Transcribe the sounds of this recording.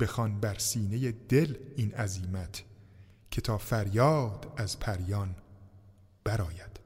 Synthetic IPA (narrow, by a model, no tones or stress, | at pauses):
b̥e̞xɒnbæɾsiːne̞jed̪e̞lʔiːnæziːmæt̪ʰ | cʰe̞t̪ʰɒːfæɾjɒːd̪̥æzpʰæɾjɒːn | b̥æɾɒːjæd̪̥